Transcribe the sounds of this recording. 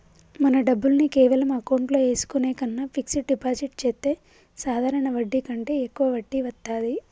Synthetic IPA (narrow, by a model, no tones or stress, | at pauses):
mɐnɐɖɐbːulnikeːʋɐlɐmaɐːkowɳʈlo̞ːe̞ːsu̥kuneːkɐnːaːpʰiksiɖipaːsiʈt͡ʃeːt̪ːe̞ː | saːd̪ʱaːɾɐɳɐʋɐɖːikɐɳʈe̞ːekːuʋɐʋɐɖːiʋɐt̪ːaːd̪i